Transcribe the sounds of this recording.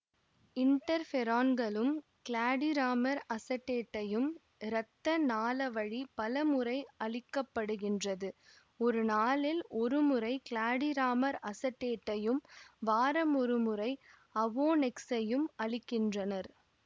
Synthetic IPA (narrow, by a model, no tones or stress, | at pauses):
ɪnʈɐɾfɛɾaːnɡɐɭɯm | kɭaːɽɪɾaːmɐɾɐsɐʈːeːʈːɐjɯm | ɾɐt̪ːɐnaːlɐʋɐɻipɐlɐmɯɾɐɪɐɭɪkːɐpːɐɽɯɣɪndrɐðɯ | ɔɾɯnaːlɪlʔɔɾɯmɯɾɐɪkɭaːɽɪɾaːmɐɾɐsɐʈːeːʈːɐjɯmʋaːɾɐmɔɾɯmɯɾɐɪ | ɐʋoːnɛksɐjɯmɐɭɪkːɪndrɐnɐɾ